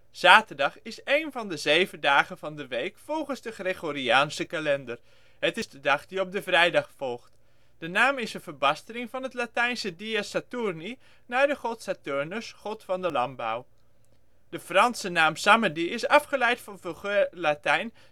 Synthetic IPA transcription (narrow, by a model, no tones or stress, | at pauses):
z̥aːtəɹdɑχɪsejnvɑndəzejvəndaːχənvɑndəʋejkfɔlˠχənzdəχreɣoɾiaːnsəkalɛndər | ɦətɪstədɑχdiɔp̚dəvrɛjdɑχfɔlˠχt | d̥ənaːmɪsənvəbɑstəlɪŋvɑnɦətlatɛjnsədiasatuɹni | naɹdəχɔtsatøɹnəsχɔtfɑndəlɑmba̰w | d̥əfrɑnsənaːmsamədiɪsɑfχəlɛjtfɑnvəχølatɛjn